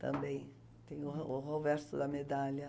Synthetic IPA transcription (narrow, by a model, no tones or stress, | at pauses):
t̪ɐ̰̃mbẽj̃ | t̪ẽj̃ʊʊɦovɛɾsʊd̪ɐmed̪alɐ